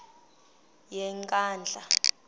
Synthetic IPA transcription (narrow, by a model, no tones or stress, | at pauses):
jɛŋkʼaːnd͡ɮʱa